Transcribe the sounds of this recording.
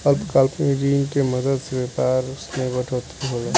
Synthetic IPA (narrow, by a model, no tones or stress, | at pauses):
ɐlpkalpmeɾiːnkemɐd̪əd̪sebeːpaːɾʊsmẽɡəʈʰoːt̪iɦoːlaː